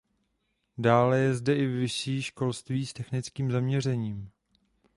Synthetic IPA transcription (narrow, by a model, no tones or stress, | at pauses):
daːlɛjɛzdɛʔɪvɪʃiːʃko̞lst̪viːst̪ɛxnɪt͡skiːmzamɲɛr̝ɛɲiːm